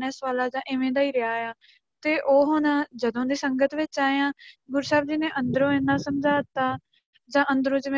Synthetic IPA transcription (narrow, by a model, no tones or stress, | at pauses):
nɛːsʋaːlaːd͡ʒãːʔɪʋẽːd̪aːiːɾɪjaːjãː | t̪eːʔoːɦoːnãːd͡ʒəd̪õːd̪iːsəŋɡət̪ʋɪt͡ʃaːeãːɡʊɾsaːbd͡ʒiːnẽːʔə̃nd̪əɾõːɪnːãːsəmd͡ʒaːt̪aː | d͡ʒãːʔənd̪əɾõːd͡ʒɪʋẽ